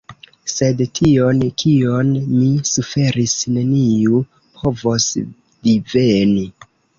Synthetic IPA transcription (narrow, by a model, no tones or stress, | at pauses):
se̞dtʰio̞nkʰionmisufe̞ɾisne̞niu | pʰo̞vo̞s | vive̞ni